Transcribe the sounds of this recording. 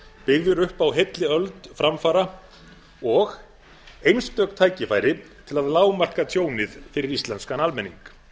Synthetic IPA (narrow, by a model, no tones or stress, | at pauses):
pɪɣðʏɾʏhpawɦejt̪lɪœlt̪fɾamfaːɾa | ɔɣ | ejnst̪œːkt̪ʰaːjcɪfaːjɾɪt̪ʰɪlaðlaːwmar̥kat̪ʰjoːwnɪðfɪɾɪɾist̪lɛnskanalmɛnːiŋk